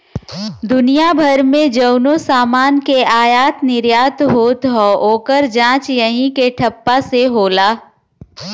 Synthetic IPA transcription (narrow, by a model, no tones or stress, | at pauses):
d̪ʊnijabʱɐɾmẽd͡ʒəʊnosaːmaːnkeaːjaːt̪nɪɾjaːt̪ɦoːt̪ɦɔoːkəɾd͡ʒãːt͡ʃjəɦĩkeʈʰɐpːaseɦoːlaː